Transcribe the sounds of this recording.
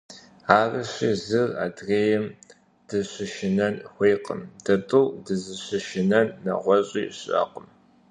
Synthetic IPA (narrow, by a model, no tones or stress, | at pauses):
aːrɨɕiːzɨra̰ːdreːjɛm | d̥ɨɕɪʃɪnɐnxʷeːqə̰md̥ɐtʼɨwdɨzɨɕɨʃɪnɐnːɐ̰ʁʷɔɕʼḭːɕʼɐ̰qəm